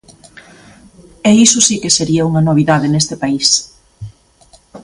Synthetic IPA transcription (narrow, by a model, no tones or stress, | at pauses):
ɛisʊsikeseɾiɐuŋɐnoβ̞iðaðɪnest̪ɪpais